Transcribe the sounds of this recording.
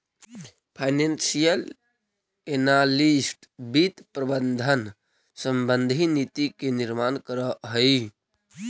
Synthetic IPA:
pʰaɪnensijəl | enalisʈbit̪pɾəbənd̪ʱən | səmbənd̪ʱinit̪ikeniɾmankəɾəɦəj

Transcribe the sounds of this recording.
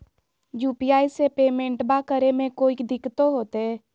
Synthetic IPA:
juːpijaːisepeːmẽːɳʈbakəɾemẽkoːikd̪ɪkt̪oɦoːt̪eɦɛː

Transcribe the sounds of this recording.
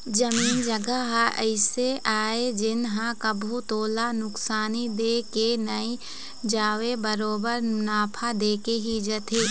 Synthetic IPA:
d͡ʒɐmiːnd͡ʒɐɡəɦə̰ɪseʔaːed͡ʒɪnɦãkɐbʱut̪oːlanʊksaːnid̪eːkenɐi | d͡ʒaːʋebəɾoːbəɾnaːpʰad̪eːkeɦid͡ʒɐt̪eː

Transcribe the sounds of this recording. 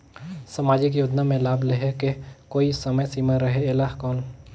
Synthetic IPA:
sɐmaːd͡ʒɪk̬joːd͡ʒ̪namẽlaːblɪɦekekoːisɐməjsiːmaɾɐɦeɪlaːɦkɔːn

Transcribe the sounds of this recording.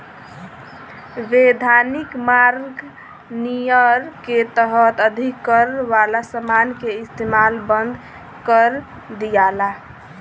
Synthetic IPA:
ʋed̪ʱanikmaɾɡ | nijəɾket̪əɦət̪əd̪ʱikːəɾʋalasəmankeist̪emalbənd̪ʱ | kəɾ | d̪ijala

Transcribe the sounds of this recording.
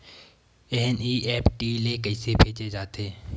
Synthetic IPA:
ɛːniːʔɛːpʈiːlekəɪsepʰeːt͡ʃed͡ʒaːt̪eː

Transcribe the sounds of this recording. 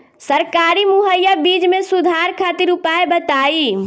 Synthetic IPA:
səɾkaɾimuɦəjːəbid͡ʒmesud̪ʱaɾkʰat̪iɾupaebət̪ai

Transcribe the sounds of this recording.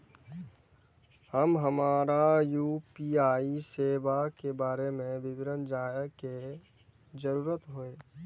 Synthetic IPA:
həmɦəmaːɾajuːpiaːiseːbakebaːɾemẽbɪbɪnənd͡ʒaːjəke | zəɾuːɾət̪ɦoeː

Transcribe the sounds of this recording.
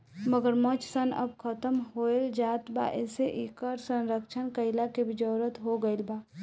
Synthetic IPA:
məɡəɾmə̃t͡ʃʰsənə̰b̚kʰət̪əmɦoeld͡ʒaːt̪ba̰ʔeːseʔikəɾsə̃nɾəkt͡ʃʰənkəɪlakebid͡ʒəːɾət̪ɦoɡəɪlba

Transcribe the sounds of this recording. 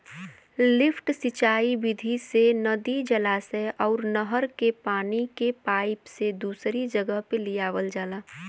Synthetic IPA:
lɪfʰʈsɪt͡ʃaːibɪd̪ʱisenɐd̪id͡ʒɐlaːseɔːɾnəɦəɾkepaːnikepaːɪpsed̪uːsɾid͡ʒəɡəɦpelijaːʋəld͡ʒaːlaː

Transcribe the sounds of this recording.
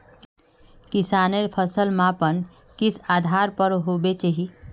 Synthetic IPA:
kɪsaːneɾpʰəsəlmãpən | kɪsaːd̪ʱaɾpəɾɦobet͡ʃaɦi

